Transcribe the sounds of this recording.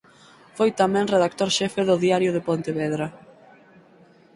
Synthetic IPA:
fojt̪amɛ̃ŋreðak̚t̪oɾʃɛfeðʊðiaɾjʊðepont̪eβɛðɾɐ

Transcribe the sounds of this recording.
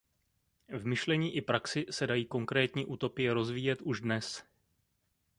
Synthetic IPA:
vmɪʃlɛɲiːʔɪpɾaksɪsɛdajiːko̞ŋkɾɛːt̪ɲiːʔuːt̪o̞pɪjɛɾo̞zviːjɛt̪ʔuʒdnɛs

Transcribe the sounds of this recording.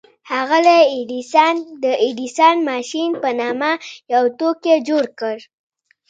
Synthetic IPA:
haɣaleiɖisɑnd̪əiɖisɑnmɑʃinpənɑmajawt̪oked͡ʒoɾkəɾ

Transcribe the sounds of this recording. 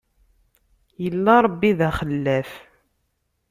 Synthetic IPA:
jəlːaɾˤbːiðæχəlːæf

